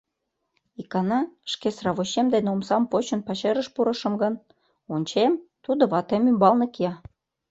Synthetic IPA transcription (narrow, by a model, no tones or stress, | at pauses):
ikɑnɑʃkesrɑβoɕemd̪enomsɑmpot͡ɕə̆npɑʃeɾəʃpuɾɤ̆ʃə̆mɡə̆n | onʲt͡ɕemt̪ud̪oβɑt̪emymbɑlnɤ̆kiɑ